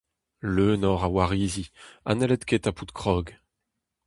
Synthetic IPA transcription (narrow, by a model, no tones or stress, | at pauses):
løːnɔʁawaʁiːzia̰nɛlɛt̪kʰet̪aput̪kχɔːɡ